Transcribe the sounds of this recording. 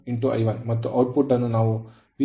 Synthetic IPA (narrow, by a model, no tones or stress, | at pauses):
iɳʈuʔɐ̰jʋɐnmɐt̪ːuʔɐwʈ̚puʈːɐnːunaːʋu | ʋi